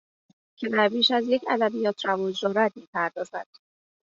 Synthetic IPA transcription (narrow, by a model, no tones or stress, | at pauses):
cʰe̞d̪æɾbiːʃæzje̞cʰæd̪æbijɒːt̪ʰɾævɒːd͡ʒɾɒːɾæd̪̚miːpʰæɾd̪ɒːzæd̪̥